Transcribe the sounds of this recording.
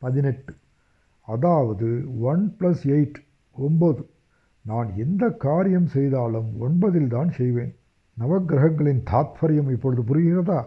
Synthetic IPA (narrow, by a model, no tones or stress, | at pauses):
pɐðɪnɛʈːɯ | ɐðaːʋɐðɯʋɐnplɐsɛɪʈː | ɔnboðɯ | naːnɛnd̪ɐkːaːɾɪjɐmsɛjðaːlɯmɔɳbɐðɪlt̪aːnsɛjʋeːn | nɐʋɐɡɾɐɦɐŋɡɐɭɪnt̪ʰaːt̪fɐɾɪjɐmɪpːɔɻɯðɯpʊɾɯɣɪrɐðaː